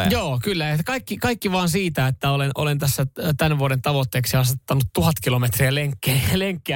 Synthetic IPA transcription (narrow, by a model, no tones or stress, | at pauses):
joːkylːæekɑikːikɑikːiʋɑːnsiːt̪æet̪ːæolenʔolent̪æsːæt̪ænʋuoɾent̪ɑʋot̪ːeːksiɑst̪et̪ːɑnut̪tuhɑt̪kilomet̪riæleŋkːeleŋkːeæ